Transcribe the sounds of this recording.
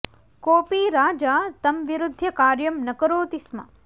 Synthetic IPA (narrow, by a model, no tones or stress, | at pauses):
koːpiːɾaːd͡ʒaːt̪ɐmʋiɾʊd̪ʱːjɐkaːɾjɐmnɐkɐɾoːt̪ismɐ̰